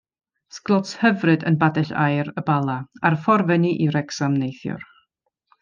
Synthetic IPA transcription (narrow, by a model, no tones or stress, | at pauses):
sklˠɔthəvrɨdə̰nbadɛɬa̰jɾəbalˠaaɾfɔrvɛniʔiɾɛksamnejθjʊ̰r